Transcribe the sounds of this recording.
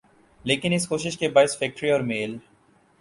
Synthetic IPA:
leːkɪnɪskoːʃɪʃkebaːɪsfɛːk̚ʈɾiɔːɾmeːl

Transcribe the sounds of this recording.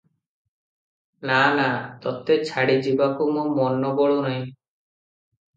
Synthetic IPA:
nanat̪ɔt̪et͡ʃʰaɽid͡ʒibakumɔmɔnɔbɔɭonaj̃

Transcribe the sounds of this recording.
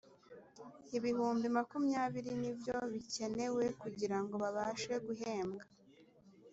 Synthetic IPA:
iβihuːmbimakumjaːβiɾinivjo̞βice̞ne̞wekuɟiɾaŋɡo̞βaβaːʃe̞ɡuɦe̞ːmɡa

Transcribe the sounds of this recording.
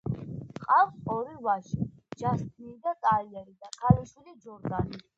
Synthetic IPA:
qʼavsɔɾivaʃid͡ʒast̪ʰniːd̪at̪ʼaiɛɾid̪akʰaliʃwilid͡ʒɔɾd̪ani

